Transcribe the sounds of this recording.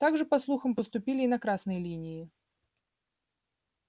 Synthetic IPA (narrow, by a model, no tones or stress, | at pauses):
t̪aɡʐɨpɐslˠuxəmpəst̪ʊpʲilʲɪːnɐkɾasnəjəlʲinʲɪɪ